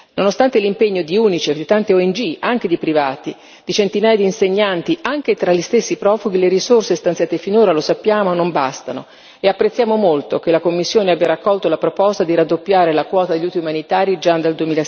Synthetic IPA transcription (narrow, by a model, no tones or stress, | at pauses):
nonost̪ant̪elimpeɲːod̪iuːnit͡ʃied̪it̪ant̪eɔɛnd͡ʒiaŋk̟ed̪ipɾivaːt̪i | d̪̥it͡ʃent̪inaːjad̪iːnseɲːant̪iʔaŋk̟et̪ɾaʎːist̪esːipɾɔːfuɡileɾisorsest̪ant̪sjaːt̪efinoːɾalosapːjaːmonomba̰st̪ano | eapːɾet̪sːjaːmomolt̪ok̟elakomːisːjoːneabjaɾakːɔlt̪olapɾopɔst̪ad̪iɾad̪ːopːjaːɾelakwɔːt̪ad̪eʎːuːt̪iumanit̪aːɾid͡ʒad̪ald̪uemiːla